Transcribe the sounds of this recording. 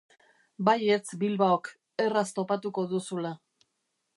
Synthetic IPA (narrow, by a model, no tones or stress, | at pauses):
baje̞t͡sbilβaok | e̞rast̪o̞pat̪uko̞ðusula